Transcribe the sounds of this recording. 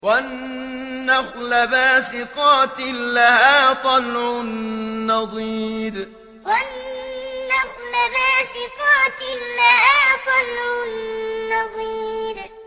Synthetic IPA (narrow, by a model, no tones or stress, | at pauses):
wanː | axlabaːsɪqɑːt̪ɪlːahaːt̪ˤɑlʕʊnːɑðˤiːɾ | wanː | ɑxlabaːsɪqɑːt̪ɪːahaːt̪ˤɑlʕʊnːɑðˤiːɾ